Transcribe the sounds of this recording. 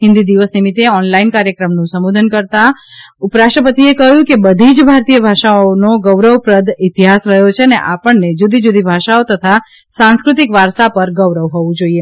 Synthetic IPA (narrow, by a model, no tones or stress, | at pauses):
ɦɪ̃nd̪id̪iʋəsnimɪt̪ːeɔnlainkaɾjəkɾəmnũsəmod̪ʱənkəɾt̪aʊpɾaʃəpət̪iekəɦjũkebəd̪ʱid͡ʒbʱaɾt̪ijəbʱaʃaonoɡəʋɾəʋpɾəd̪ɪt̪iɦasɾəɦjot͡ʃʰeənḛʔapəɳnːed͡ʒud̪id͡ʒud̪ʱibʱaʃaot̪ət̪ʰa | sãnskɾʊt̪ikʋaɾsapəɾɡəʋɾəʋɦɔʋũd͡ʒoie